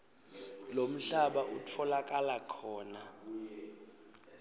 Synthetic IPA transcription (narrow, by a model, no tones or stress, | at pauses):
lom̩ɬaɓaʔutʰɔlakʼalakʰɔːna